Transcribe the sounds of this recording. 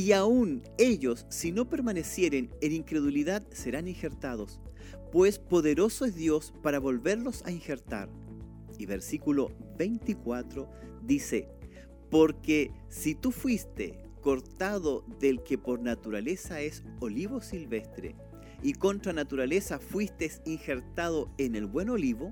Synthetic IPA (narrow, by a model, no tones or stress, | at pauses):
iaune̞ʎosːino̞pe̞ɾmanesje̞ɾeneniŋkɾe̞ðuliðaðseɾaninxeɾt̪að̞os | pwe̞spo̞ðeɾo̞soezðjo̞spaɾaβo̞lβe̞ɾlo̞sa̰inxeɾt̪a̰ɾ | iβeɾsikuloβejnt̪ikwat̪ɾoðise | poɾke | sit̪ufwist̪ḛ | koɾt̪aðoðelkepoɾnat̪uɾalesaesoliβo̞silβe̞st̪ɾḛ | iko̞nt̪ɾanat̪uɾalesafwist̪esinxeɾt̪aðoenelβwe̞noliβo